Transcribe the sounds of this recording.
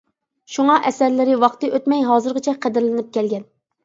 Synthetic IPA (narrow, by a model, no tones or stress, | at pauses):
ʃuŋɑʔɛsæɾlɪɾɪwɑχt̪ɨʔøt̪mɛjɦɑːzɨɾʁɨt͡ʃʰɛqʰəd̪ɪɾlɪnɪp̚kʲɛlɡʲɛn